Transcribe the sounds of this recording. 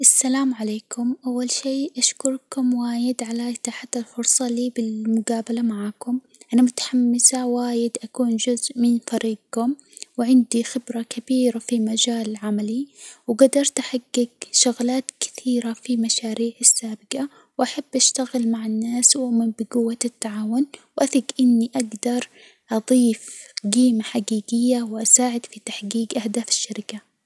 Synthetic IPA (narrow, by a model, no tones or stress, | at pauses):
ʔasːalaːmʕaleːkʰʊmʔawːalʃiːʔaʃkʊɾˤkʊmwaːjɪd̪ʕalat̪aħat̪ːalfʊɾsˤɑliːbɪlmʊɡaːbalamaʕaːkʊm | ʔanamʊt̪ḁħamːɪsawaːjɪd̪ʔakuːnd͡ʒʊzʔmɪnfɑɾiːɡ̚kʊm | wɪʕɪnd̪ixɪbɾakʰabiːɾafimad͡ʒaːlʕamaliwɪɡad̪ɑɾˤt̪ʔaħaɡːɪɡʃʊɣlaːt̪kɪ̥θiːɾafimaʃaːɾiːʕasːaːbɪqa | wʔaħabːʔaʃt̪aɣɪlmaʕanːaːswʔaʊʔmɪmbɪɡʊwːat̪ːaʕaːwʊnwʔaθiɡʔɪnːiʔaɡd̪ɑɾˤ | ʔɑðˤiːfɡiːmaħaɡiːɡɪjːawʔasaːʕɪd̪fit̪aħɡiːɡʔahd̪aːfɪ̥ʃːaɾɪka